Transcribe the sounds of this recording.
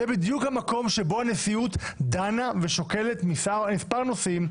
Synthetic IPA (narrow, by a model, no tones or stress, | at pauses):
ɛbid̪jukhamako̞mʃebo̞hanesiut̪d̪anaveʃo̞ke̞let̪misamispaʁnosim